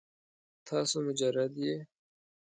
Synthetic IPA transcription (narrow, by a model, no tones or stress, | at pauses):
t̪ʰɑːsomʊd͡ʒɐɾɐd̪jeː